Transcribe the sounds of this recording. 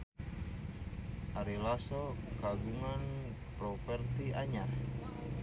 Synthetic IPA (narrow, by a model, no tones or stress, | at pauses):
ʔaɾilasɔkaɡuŋan | pɾɔfɛrt̪iaɲat